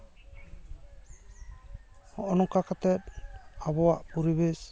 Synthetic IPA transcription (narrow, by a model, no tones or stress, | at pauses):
hɔʔɔnɔkakat̪ɛt̪abɔwaʔpuɾibes